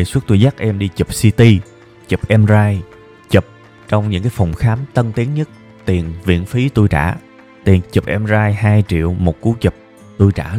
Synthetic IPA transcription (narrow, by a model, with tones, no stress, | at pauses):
e˨˩swu˦˥t̚t̪u˧jzaː˦˥k̚ʔɛ˧mɗi˧t͡ɕə˨˩p̚si˧t̪i˧ | t͡ɕə˨˩p̚ʔɛ˧mzaː˧j | t͡ɕə˨˩p̚ | t͡ɕɔ˧wŋ͡mɲɨ̰˧˥ŋkaː˨˦jfɔ˨˩wŋ͡mxaː˨˦mt̪ə˧nt̪i˨˦əŋɲə˦˥t̚ | t̪i˨˩ənvḭ˧˨ənfi˨˦t̪u˧jt͡ɕa̰ː˧˩ | t̪i˨˩ənt͡ɕə˨˩p̚ʔɛ˧mzaː˧jɦaː˧jt͡ɕḭ˧˨əwmo˨˩t̚ku˨˦t͡ɕə˨˩p̚ | t̪u˧jt͡ɕa̰ː˧˩